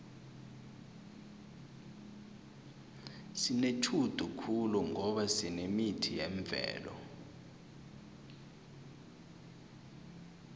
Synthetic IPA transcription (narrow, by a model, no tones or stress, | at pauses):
sinet͡ʃʰud̥ʱukʰuluŋɔɓasinemitʰijɛɱb̪vʱɛ̰ːlɔ̰